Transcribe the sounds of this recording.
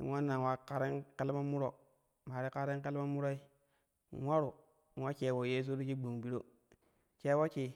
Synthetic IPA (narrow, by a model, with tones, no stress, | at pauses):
ḭ˨ŋwa˦nːa˨wa˦ka˦ɾi˦ŋke˦lma˦mu˦ɾo˨ | ma˨ɾi˦ka˦ɾi˦ŋ˦ke˦lma˦mu˦ɾo˦i˦˨ | ŋwʷa˦ɾu˨ | ŋʷwa˦t͡ʃe˨wo˨je˦s̬u˦ɾi˦t͡ʃi˦ɡ͡bu˨ŋ˨bi˨ɾo˦ | t͡ʃe˦wo˦t͡ʃi˨